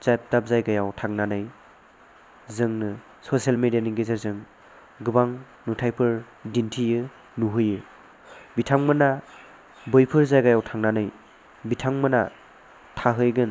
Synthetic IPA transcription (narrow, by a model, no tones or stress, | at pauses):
zajp̚tap̚zajɡajawtʰaŋnanɯj | zɯŋnɯ | sosijalmedijaniɡezeɾzɯŋ | ɡɯbaŋ | nutʰajpʰɯɾ | dintʰijɯ | nuɦɯjɯ | bitʰaŋmɯna | bɯjpʰɯɾzajɡajawtʰaŋnanɯj | bitʰaŋmɯna | tʰaɦɯjɡɯn